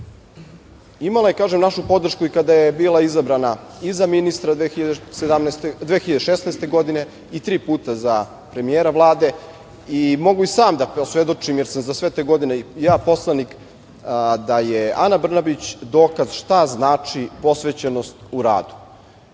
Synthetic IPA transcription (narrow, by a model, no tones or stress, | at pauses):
imalˠajekaːʒemnaʃupo̞d̪r̩ʃkuikad̪ajebiːlˠaizabɾanaizaminist̪ɾad̪exiʎad̪sed̪amnst̪ed̪veːxiʎad̪eʃesnajst̪e̞ɡo̞d̪ine̞ | it̪ɾiːpuːt̪aza | pɾe̞mijeːɾaʋlˠaːd̪e̞ | imo̞ɡuisaːmd̪aposʋe̞d̪o̞t͡ʂimjeɾsamzasʋet̪eːɡo̞d̪inejaːpo̞slˠanik | d̪ajea̰nabr̩nabit͡ɕd̪o̞ːkazʃt̪aznaːt͡ʂipo̞sʋe̞t͡ɕenost̪uɾa̰ːd̪u̥